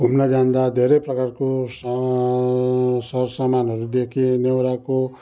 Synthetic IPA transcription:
ɦumnad͡ʒand̪ad̪ʱeɾepɾʌkaɾko | sʌɾsamanɦʌɾud̪ekʰinewɾako

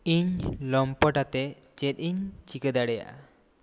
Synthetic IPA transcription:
iɲlɔmpəʈat̪ɛt͡ʃɛt̪̚iɲt͡ʃikəd̪aɽɛja̰ʔa̰

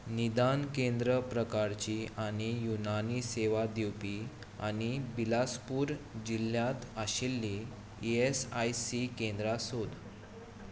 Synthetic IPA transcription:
nid̪ankẽnd̪ɾəpɾəkaɾt͡ɕiːʔaɽ̃ijunaniseʋad̪iwpi | a̰ɽ̃ibilaspuːɾd͡ʑiljãt̪aɕilːi | iesajsikend̪ɾasod̪

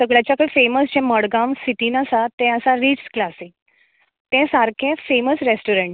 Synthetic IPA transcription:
səɡɭjat͡ɕjakaifeməsd͡ʑɛ̃məɽɡãmsiʈ̪iːnasat̪ɛ̃əsaɾid͡ʑsklasĩ | t̪ɛ̃saɾkʰẽfeməsɾesʈuɾeɳʈ

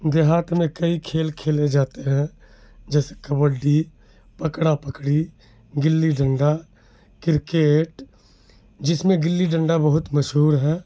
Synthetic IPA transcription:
d̪eɦaːt̪ʰmẽkəikʰeːlkʰeːled͡ʒaːt̪eɦɛ̃ | d͡ʒɛːse̥kəbəɖi | pəkɽapəkɽi | ɡɪlːiɖə̃ɳɖa | kɪɾkeːʈ | d͡ʒɪsmẽɡɪlːiɖə̃ɳɖabəɦʊt̪məʃɦuːɾɦɛː

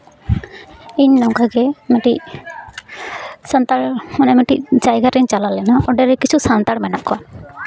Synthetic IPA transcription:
iɲnɔŋkaɡɛmɛʈi | sant̪aɽmanɛmɛʈid͡ʒajɡaɾɛɲt͡ʃalalɛnaʔɔɖɛɾɛkit͡ʃʰusant̪aɽmɛnakːɔa

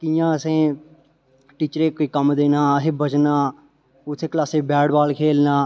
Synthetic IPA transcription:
kiːjãːəsẽː | ʈiːt͡ʃɾeːkoiːkəmd̪eːnãːəɦeːbəd͡ʒnãː | ʊt̪ʰːeːklaːseːbɛːɽbaːlkʰeːlnãː

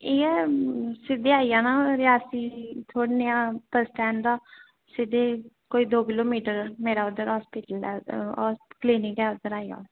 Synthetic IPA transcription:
eːɛːsɪd̪eːaːijãːnaːɾɪaːsiːt̪ʰoːɽnɪjãːpəɾsʈɛ̃ːɳd̪aː | sɪd̪eː | koːiːd̪oːkɪloːmiːʈəɾmeːɾaːʊd̪əɾɦɔːspiːʈəlɛː | kliːnɪŋkɛːʊd̪ːəɾaːija̰ː

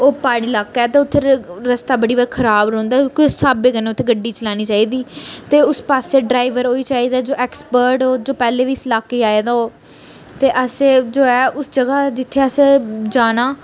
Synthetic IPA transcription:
oːpaːɽiːlaːkːɛːt̪eːʊt̪ʰːeɾəst̪aːbəɽiːbəkʰəɾaːbɾõːnd̪aːkɪsaːbeːkəneːʊt̪ʰeːɡəɖːiːt͡ʃəlaːñiːt͡ʃaːiːd̪iːt̪eːʊspaːseːɖɾaːɪʋəɾɦoːiːt͡ʃaːiːd̪aːd͡ʒoːʔɛːkspəɾʈoːd͡ʒoːpɛːleːʋiːslaːkːeːaːjeːd̪aːoː | t̪eːʔəseːd͡ʒoːɛːʊsd͡ʒəɡaːd͡ʒɪt̪ʰːeːəsd͡ʒaːnaː

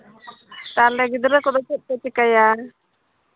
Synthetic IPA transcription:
t̪alɛɡid̪ɾəkɔd̪ɔt͡ʃɛt̪̚pət͡ʃikaja

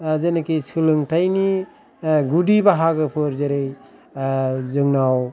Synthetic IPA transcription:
zenakisɯlɯŋtʰajni | ɡudibaɦaɡɯpʰɯɾzeɾej | zɯŋnaw

